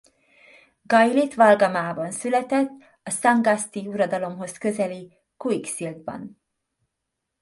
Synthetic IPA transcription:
ɡɒjlit̪ʋɒlɡɒmaːbɒnsylɛt̪ɛt̪ː | ɒsɑŋɡɒst̪iuɾɒd̪ɒlo̞mɦo̞skø̞zɛli | kuiksild̪̚bɒ̰n

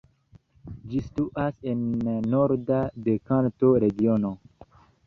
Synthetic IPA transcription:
d͡ʒistuʔasenːoɾdadekanto̞ɾe̞ɡio̞no̞

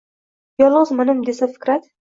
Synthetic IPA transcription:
jɒlˠʁəzmanɪmd̪esafɪ̥kɾat̪

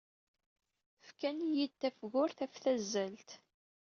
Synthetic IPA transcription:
fkænjid̪̚t̪ːæfɣʊɾθæfθæzːælt̪

